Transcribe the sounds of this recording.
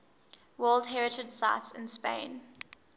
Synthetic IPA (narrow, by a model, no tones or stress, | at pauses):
wɜːlˠdɦɛɹɪtʰədsaɪtsɪ̃nspḛ̃ɪ̃n